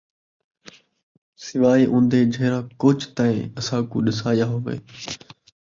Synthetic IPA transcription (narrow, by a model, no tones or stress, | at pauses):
sɪʋaːiːʔʊ̃ːnd̪ʱeːd͡ʒʱeːɾãːkoːt͡ʃt̪aːĩɐsãːkṵːɗɪsaːjaːɦoʋḛː